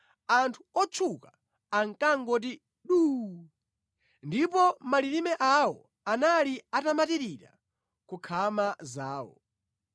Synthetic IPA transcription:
antʰu̥ɔt͡ʃʰuka | aŋkaŋɡɔt̬i | ɗu | ndipɔmaliɾimɛʔawɔ | analiatamatiɾiɾa̰ | kukʰamazaːwɔ̰

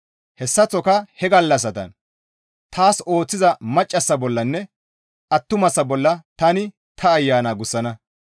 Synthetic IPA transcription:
hɛsːɐt͡sːɔkɐhɛɡɐlːɐs̬ɐt̪ɐ̰n | t̪ʰaːso̞ːt͡sːɪzɐmɐt͡ʃʼːɐsːɐbɔlːɐnːɛ | ʔɐt̪ːʊmɐsːɐbɔlːɐt̪ɐnɪ | t̪ʰɐːjːaːnaːɡʊsːɐnɐ

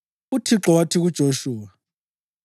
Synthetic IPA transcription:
utʰiǁɔwatʰiɣud̥ʒ̥ʱoʃuːwa

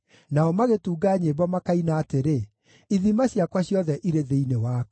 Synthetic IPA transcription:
naɔmaɣetuːɡaːɲeβɔmakainaːteɾe | iðimaɕjakwaɕjɔðɛʔiɾeðeinewaːkɛ

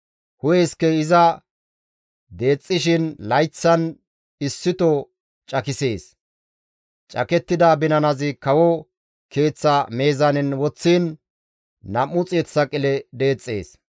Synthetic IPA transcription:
hʊjɛskɛɪzɐ | d̪e̞ːt͡sʼːɪʃɪnlɐjt͡sːɐn | ɪsːɪt̪ɔ | t͡ʃʼɐkɪse̞ːs | t͡ʃʼɐ̰kɛt̪ːɪd̪ɐbɪnɐnɐzɪkɐwɔ | ke̞ːt͡sːɐme̞ːzɐnɪnwɔt͡sːiːnː | ɐmːʊt͡sʼeːt͡sːɐkʼɪlɛd̪e̞ːt͡sʼːe̞̰ːs

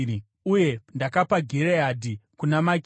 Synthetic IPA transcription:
uje̞ndakapaɡʱiɾeadʱikunamak

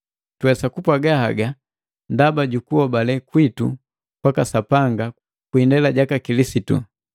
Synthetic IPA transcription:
twɛsakupwaɡahaɡa | ndabaɟukuɔbalɛkwitṵ | pakasapaŋɡa | kwindɛlaɟakakilisitṵ

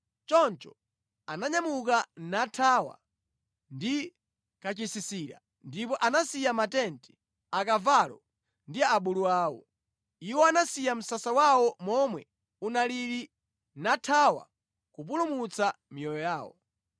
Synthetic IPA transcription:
t͡ʃɔnt͡ʃɔ̥ | anaɲamukanatʰawa̰ | ndi | kat͡ʃisisiɾa̰ | ndipɔʔanasijamatɛntʰi̥ | akavalɔ̰ | ndiaːɓuluaːwɔ̰ | iwɔanasijam̩sasawawɔmɔmwɛ | unaliɾi | natʰawa̰ | kupulumut͡samijɔjɔjaːwɔ̰

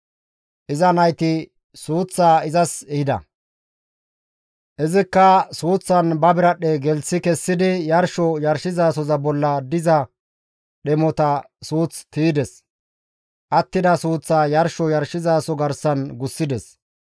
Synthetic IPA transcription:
ʔɪzɐnɐjt̪ɪ | suːt͡sːaːɪzɐsɛhɪd̪ɐ̰ | ʔɪzɪkːɐsuːt͡sːɐnbɐbɪɾɐɗɛɡɛlsɪkɛsːɪd̪ɪjɐɾʃɔjɐɾʃɪzaːsɔzɐbɔlːɐd̪ɪzɐ | ɗɛmɔt̪ɐ | suːt͡st̪iːd̪ɛs | ʔɐt̪ːɪd̪ɐsuːt͡sːaːjɐɾʃɔjɐɾʃɪzaːsɔɡɐɾsɐnɡʊsːɪd̪ɛs

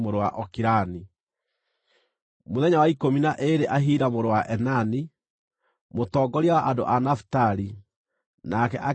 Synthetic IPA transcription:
moɾowaʔɔkiɾani | moðɛɲawaikominaʔeɾeʔaɦiːɾamoɾowaʔɛnani | motɔːɡɔɾiawaʔado̰ʔanafu̥taɾi | nakɛʔa

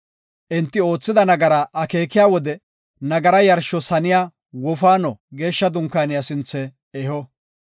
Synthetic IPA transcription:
ʔɪnt̪ːɪo̞ːt͡sːɪd̪ɐnɐɡɐɾɐʔɐke̞ːkːɪjaːwɔd̪ɛ | nɐɡɐɾɐjɐɾʃːɔsɐnɪjaː | wɔfaːnɔɡe̞ːʃːɐd̪ʊŋkːaːnɪjasɪnt͡sːɛː | hɔ

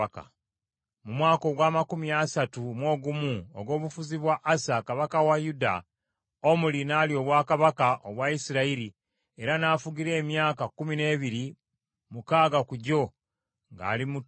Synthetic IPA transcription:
ka̰ | mumwaːko̞ɡwaːmakumiasatumwo̞ːɡumuo̰ɡo̞ːβufuziβwaʔːsakaβakawajuda̰ | omulinalio̞ːβwakaβakaʔoβwaisiɾaiɾi | e̞ɾanaːfuɡiɾe̞ːmjaːkakumine̞ːβiɾi | mukaːɡakuɟo̞ | ŋɡa̰ːlimu

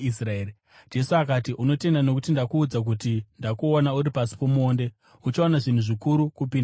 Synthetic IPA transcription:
israeːɾ | d͡ʒe̞suakatiʔuno̞te̞ndano̞kutindakuːd͡zak̬utindakuonauɾipasi̥po̞muo̞ːnde̞ | ut͡ʃoonaʐin̤uʐikuɾukupind

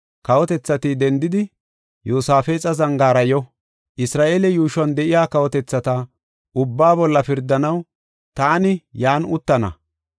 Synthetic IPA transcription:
kɐwɔt̪ɛt͡sːɐt̪ɪd̪ɛnd̪ɪd̪ɪ | juːsaːfeːt͡sʼɐzɐŋɡaːɾɐjɔ | ʔɪsɾaːʔeːlɛjuːʃɐnd̪ɛʔɪjaːkɐwɔt̪ɛt͡sːɐt̪ɐ | ʔʊbːaːbɔlːɐfɪɾd̪ːɐnɐw | t̪aːnɪjaːnʊt̪ːɐnɐ̰

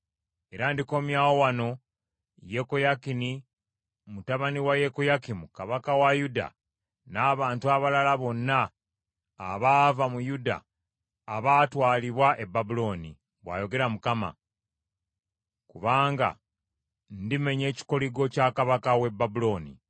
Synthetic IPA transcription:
e̞ɾandiko̞ːmjaːwowano̞ | je̞kojakini | mutaβaniwaje̞kojakimukaβakawajuda̰ | naːβaːntuaβalalaβo̞nːaː | βaːvamujuda̰ː | βaːtwaːliβwaʔe̞bːabulo̞ːnḭ | βwa̰ːjo̞ɡe̞ɾamukama̰ | kuβaːŋɡa̰ | ndime̞ɲe̞ːci̥koliɡo̞caːkaβakawe̞babulo̞ːnḭ

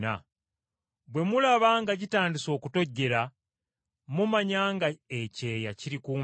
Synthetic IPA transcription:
na̰ | bwe̞mulaβaːŋɡaɟitaːndiso̞ːkuto̞ɟːe̞ɾa | mumaɲaːŋɡaece̞ːjaciɾikuː

